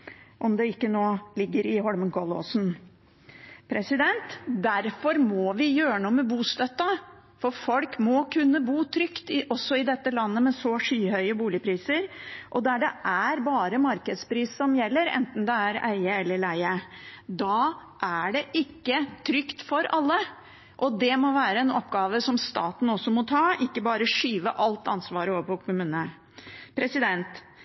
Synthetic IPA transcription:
ʔɔmd̪ɛɪkːənoːlɪɡːəɾɪɦɔɽmənkʰɔlo̰sn | pʰɾɛsɪd̪ɛnt̪d̪æɾfɔɾmɔʋɪjøːɾənuːmɛbuːst̪œt̪ːɑ | fɔɾfɔlkmɔkʰʉnːəbuːt̪ʰɾʏkt̪ɪʔɔsːɔɪd̪ɛt̪ːəlɑnːəmɛsɔʂyːhœʏəbuːlɪpʰɾiːsəɾʔɔd̪æɖɛʔæɾbɑːɾəmɑɾkəd̪spɾiːssɔmjɛlːəɾɛ̰nt̪n̩d̪ɛæɾæ̰ɪəɛlːəɭæɪəd̪ɑːʔæɖɛʔɪkːət̪ʰɾʏkt̪fɔɾɑlːə | ʔɔd̪ɛmɔʋæːɾəɛnɔpɡɑːʋəsɔmst̪ɑ̰ːt̪n̩ɔsːɔmɔt̪ʰɑːɪkːəbɑːɾəʂyːʋə̰ʔɑlt̪ɑnsʋɑːɾəoʋəpʰɔkʰʊmʉːnə | pʰɾɛsɪd̪ɛnt̪

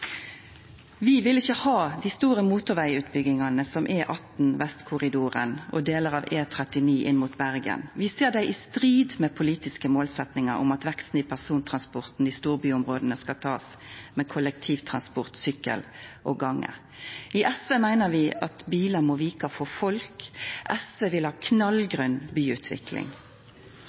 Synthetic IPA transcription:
ʋɪʋɪlɪçəhɑːd̪ɪːst̪uːɾəmuːt̪ʊʁʋæɪʉːt̪bʏɡɪŋɑnəsɔmʔɛːʔɑt̪n̩ʋɛst̪kʰʊʁɪd̪uːʁə̰nɔ̰d̪eːləɾɑʋeːt̪ʰʁɛt̪ɪniːʔɪnːmuːt̪bæʁɡə̰nʋɪseːʁd̪æɪʔɪst̪ʁiːd̪mɛpʰʊliːt̪ɪskəmoːlsɛt̪nɪŋəɾʊ̰mɑt̪ʋɛkst̪n̩ɪːpʰæʁsuːnt̪ʰʁɑnspʊʁt̪n̩d̪iːst̪uːʁbyːʊmʁoːd̪ənəskɑt̪ʰɑːsmɛːkʰʊlək̚t̪ʰiːʋt̪ʰʁɑnspʊʁt̪sʏkːə̰lʔɔɡɑŋːʔə̰ | ɪʔɛsʋeːmæɪnəʋɪɑt̪biːləmɔʋiːkɑfɔfɔlkʔɛsʋeːʋɪlhɑːkʰnɑlɡʁʉnbyːʉːt̪ʰʋɪ̰kʰlɪ̰ŋ

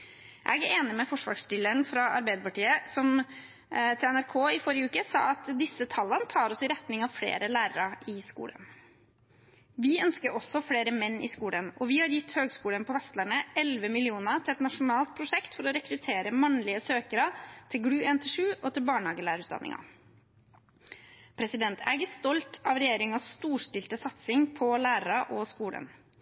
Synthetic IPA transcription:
æ̰ɡeːnɪmɛfɔʂʋɑ̰ːʂɪləɳfɾɑʔɑ̰ɾbæɪd̪əpɑʈiːəsɔm | t̪ʰɪlɛnæɾkʰoːɪfɔɾɪjəʉːkəsɑ̰ːɑt̪d̪ɪsːət̪ʰɑlːənət̪ʰɑːɾɔsɪɾɛt̪nɪŋɑʋfɽḛːɾəlæːɾəɾɑɪskṵːlə̰n | ʋɪœnskəɾʔɔsːɔfɽeːɾəmɛnːɪ̰skuːlənɔʋɪhɑɾjɪt̪ːhøːɡskuːlənpʰɔʋɛst̪læɳəɛlʋəmɪlɪuːnət̪ʰɪlɛt̪nɑʂʊnɑːlt̪̚pʰɾʊʂɛkt̪fɔɾɔɾɛkɾʉt̪ʰeːɾəmɑnlɪəsøːkəɾɑt̪ʰɪlɡɽʉːeːnt̪ʰɪlʂʉːʔɔt̪ʰɪlbɑːɳhɑːɡəlæːɾəɾʉːd̪ɑ̰nʔɪ̰ŋɑ̰ | pʰɾɛsɪd̪ɛnt̪ʰæ̰ɡəst̪ɔlt̪ʰɑʋɾɛjeːɾɪŋɑsst̪uːʂʈɪlt̪əsɑt̪sɪŋpʰɔlæːɾəɾɑʔɔskuːlə̰n

